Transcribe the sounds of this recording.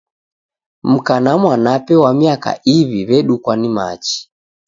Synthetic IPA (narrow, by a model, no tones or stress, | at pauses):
m̩kanamwanapɛwamiaka̰ʔiβiβɛɗukwanima̰t͡ʃi̥